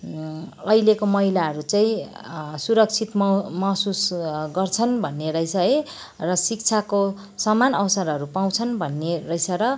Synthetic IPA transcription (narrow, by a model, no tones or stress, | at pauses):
ʌjlekomʌɦilaɦʌɾut͡saĩsuɾʌk̚t͡sʰit̪mmʌsusɡʌrt͡sʰʌnbʱʌnːeɾʌjsʌe | rʌsik̚t͡sʰako | sʌmanʌwsʌɾʌɾupaw̃t͡sʰʌnbʱʌnːerʌjsʌɾʌ